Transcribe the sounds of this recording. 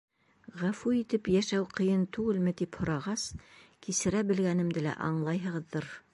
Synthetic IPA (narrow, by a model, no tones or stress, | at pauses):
ʁæfuit̪ɘpjæʃæwqɤ̆jɤnt̪ʉɡɘlmɘ̆t̪iphŏɾɑʁɑskisɘ̆ɾæbɘ̆lɡænɘ̆md̪ɘlæ̰ʔɑ̰ɴlˠɑjɦɤ̆ʁɤ̆ðːɤɾ